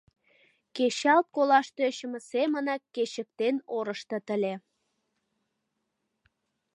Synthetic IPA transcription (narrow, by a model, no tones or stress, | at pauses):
keɕɑlt̪̚kolɑʃt̪øɕə̆mə̆semənɑkːeɕə̆k̚t̪enoɾəʃt̪ɤ̆t̪əlʲe